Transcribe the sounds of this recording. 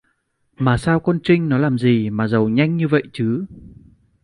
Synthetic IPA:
maː˨˩saː˧wkɔ˧nt͡ɕï˧ŋ̟nɔ˨˦laː˨˩mzi˨˩maː˨˩zə˨˩wɲa˧jŋ̟ɲɨ˧və̰˧˨jt͡ɕɨ˨˦

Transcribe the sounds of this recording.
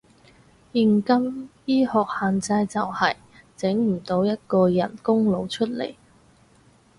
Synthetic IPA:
jiː˧nkɐ˥mjiː˥hɔː˨k̚haː˨nt͡sɐ˧jt͡sɐ˨whɐ˨j | t͡sɪ˨˥ŋm̩˨˩t̪o˨˥wjɐ˥t̚kɔː˧jɐ̰˨˩nkʊ˥ŋlo˨˧wt͡ʃʰɵ˥t̚lḛ˨˩j

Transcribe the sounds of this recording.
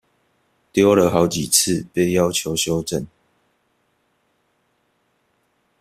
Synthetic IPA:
t̪jo˥˦ʊlə˨ɦɑ˨˧˦ʊt͡ɕi˨˩t͡s̩ʰ˥˨pe˥˨ɪjɑ˦ʊt͡ɕʰjo˨˦ʊɕjo˦ʊʈ͡ʂə˥˨n

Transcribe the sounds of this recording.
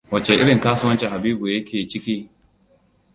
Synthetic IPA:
wɐ˨t͡ʃe˨ʔɪ˦ɽɪ˨ŋkaː˦sʊ˦wɐ˦nt͡ʃe˨ha˨biː˦bu˨jɐ˦kʲeː˨t͡ʃɪ˦kʲiː˦

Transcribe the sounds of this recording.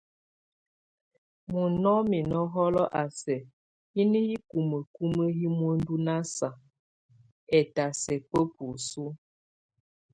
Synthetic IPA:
mu˨nɔ˦mi˨nɔ˦ɦɔ˦lɔ˦ʔa˨sɛ˨ | hi˦ni˦hi˦ku˨mə˨ku˦mə˦ɦi˦mwo˦n˦du˦na˦sa˨ | ɛ˨ta˨sɛ˨pə˦pu˨su˦

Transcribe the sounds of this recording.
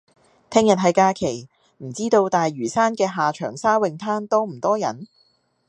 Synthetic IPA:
t̪ʰɛː˥ŋjɐ˨t̚ɦɐ˨jkaː˧kʰe˨˩j | m̩˨˩t͡siː˥t̪o˧wt̪aː˨jːyː˨˩saː˥nkɛː˧ɦaː˨˩t͡ʃʰœː˨˩ŋsaː˥wɪ˨ŋt̪ʰaː˥nt̪ɔː˥m̩˨˩t̪ɔː˥jɐ̰˨˩n

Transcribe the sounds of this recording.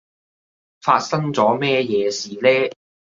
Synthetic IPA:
fa̰ː˧t̚sɐ˥ŋt͡sɔː˨˥mɛː˥jɛː˨˧siː˨lɛː˥

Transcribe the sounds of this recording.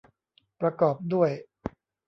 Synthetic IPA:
pɾa˧kɔː˨˩p̚du˥˩əj

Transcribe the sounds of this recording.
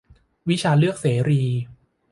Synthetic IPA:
wi˦˥t͡ɕʰaː˧lɯ˥˩ək̚seː˩˦ɾiː˧

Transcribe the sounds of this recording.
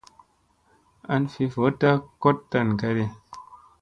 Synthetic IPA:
a˨nfi˧fo˨˦ta˦ko˦tːa˦˨nka˧ɾi˧

